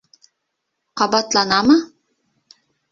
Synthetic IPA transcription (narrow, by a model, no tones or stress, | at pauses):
qɑbɑt̪lˠɑnɑmɤ